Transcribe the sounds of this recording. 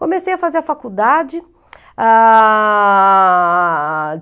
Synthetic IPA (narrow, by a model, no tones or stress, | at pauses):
kõmesejɐfazeɾɐfakud̪ad͡ʒɪ | a